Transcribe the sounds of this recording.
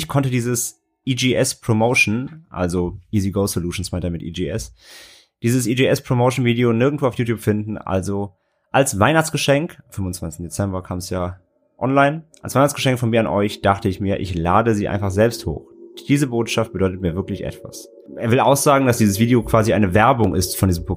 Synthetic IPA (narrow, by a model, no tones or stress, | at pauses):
ɪçkʰɔntədiːzəs | ʔiːd͡ʒeʔɛspʁ̥omoʊʃn̩ʔa̰lzoʔiːziɡoʊsoluːʃn̩smaɪntɐmɪtʔḭːd͡ʒiːʔɛs | d̥iːzəsʔid͡ʒeɛspʁ̥omoʊʃn̩viːdeonɪɐɡŋ̩tv̥oːaʊfjuːtjuːpfɪndn̩ʔa̰lzo | ʔalsv̥aɪnaχt͡sɡ̥əʃɛŋkfʏmvʊnt͡sv̥ant͡sɪ̥tn̩det͡sɛmbɐkʰaːmsjaː | ʔɔnlaɪnʔalsv̥aɪnaχt͡sɡəʃɛŋkfɔnmiːɐanʔɔʏçd̥aχtəɪçmiːɐʔɪ̰çlaːdəziːʔa̰ɪnfaχz̥ɛlpstho̰ːxd̥iːzəboːtʃaft̚b̥ədɔʏtət̚miːɐvɪɐklɪçʔɛ̰tv̥a̰s | ʔeːɐvɪlʔaʊxz̥aːɡŋ̩dasd̥iːzəsviːdeokv̥aːziʔaɪnəvɛɐbʊŋʔɪstfɔndiːzm̩po